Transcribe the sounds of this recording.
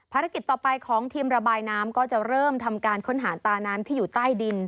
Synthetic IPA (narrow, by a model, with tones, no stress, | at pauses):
pʰaː˧ɾa˦˥ki˨˩t̪̚ːɔː˨˩pa˧jkʰɔː˩˦ŋt̪ʰiː˧mɾa˧baː˧jnaː˦˥mkɔː˥˩t͡ɕa˨˩ɾɤː˥˩mt̪ʰa˧mkaː˧nkʰo˦˥nɦaː˩˦t̪aː˧naː˦˥mt̪ʰiː˥˩juː˨˩t̪aː˥˩jdi˧n